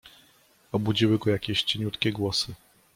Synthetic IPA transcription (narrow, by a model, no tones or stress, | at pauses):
ɔbud͡ʑiwɘɡɔjakʲɛɕt͡ɕeɲut̪kʲɛɡwɔsɘ